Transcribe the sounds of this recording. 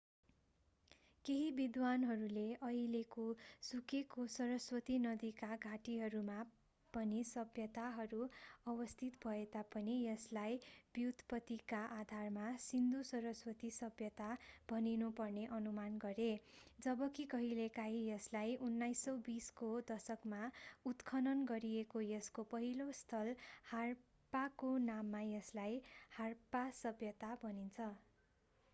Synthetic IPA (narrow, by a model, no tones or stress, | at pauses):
keɦibid̪wanɦʌɾuleʔʌilekosukekosʌɾʌswʌt̪inʌd̪ikaɡʱaʈiɦʌɾuma | pʌnisʌbʱjʌt̪aɦʌɾuʌwʌst̪ʰit̪bʱʌet̪apʌnijʌslajb̥jud̪ʱpʌt̪ikaʔad̪ʱarmasind̪usʌɾʌswʌt̪isʌbʱjʌt̪ab̥ʱʌninupʌrneʔʌnumanɡʌɾed͡zʌbʌkikʌɦilekaɦijʌslajunːajsːʌwbiskod̪ʌsʌkmaut̪kʰʌnʌnɡʌɾiekojʌskopʌɦilost̪ʰʌlhar | pakonamːajʌslajharpasʌbʱjʌt̪abʱʌnint͡sʰʌ